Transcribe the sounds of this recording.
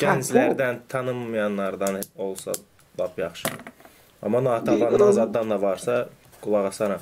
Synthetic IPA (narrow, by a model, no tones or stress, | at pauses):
ɟænzlæɾd̪ænt̪ʰɑnɯmːɯjɑnːɑɾd̪ɑnolˠsɑ̰ | lˠɑpʰjɑχʃɯd̪ | ɑ̰mːɑnɑːt̪ʰɑlˠɑnnɑzɑd̪ːɑnd̪ɑvɑɾsɑ | ɡ̥ulˠɑʁɑsɑɾɑ